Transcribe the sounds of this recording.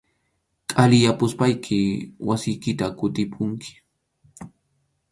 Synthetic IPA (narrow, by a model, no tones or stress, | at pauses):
kʼalɪjapʊspajkʰɪwasɪjkɪt̪akʊt̪ɪpʰʊŋkɪ̥